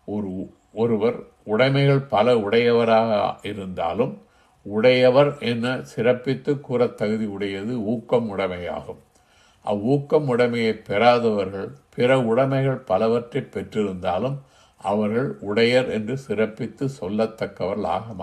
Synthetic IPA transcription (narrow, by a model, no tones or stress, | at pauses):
ɔɾɯ | ɔɾɯʋɐɾ | ʊɽɐɪmɐɪɣɐɭpɐlɐʊɽɐjɐʋɐɾaːɣɐɪɾɯnd̪a̰ːlɯm | ʊɽɐjɐʋɐɾɛnːɐsɪɾɐpːɪt̪ːɯkːuːɾɐt̪ːɐɣɯðiʊɽɐjɐðɯuːkːɐmʊɽɐmɐja̰ːɣɯm | ʔɐ̰uːkːɐmʊɽɐmɐjɐɪpːɛɾaːðɐʋɐɾɣɐɭpɪɾɐʊɽɐmɐɪɣɐɭpɐlɐʋɐʈrɐpːɛʈrɪɾɯnd̪aːlɯm | ʔɐʋɐɾɣɐɭʊɽɐjɐɾɛndrɯsɪɾɐpːɪt̪ːɯsɔlːɐt̪ːɐkːɐʋɐɾɭa̰ːɣɐmː